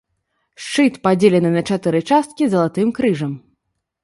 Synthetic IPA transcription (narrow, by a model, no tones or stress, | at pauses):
ʂt͡ʂɨt̪pad͡zʲelʲɛnɨnɐt͡ʂat̪ɨɾɨt͡ʂast̪̚kʲizɐlˠat̪ɨmkɾɨʐɐm